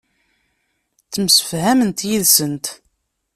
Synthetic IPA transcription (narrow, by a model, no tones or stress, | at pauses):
t͡sːəmsə̥fhæmənt̪jiðsənt̪